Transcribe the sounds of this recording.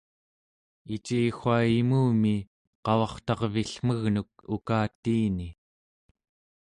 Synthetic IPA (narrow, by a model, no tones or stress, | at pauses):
it͡ʃiːxaːimuːmi | qɑwɑχt̪ɑʁviɬm̥əɣnuk̚ukaːt̪ːiːni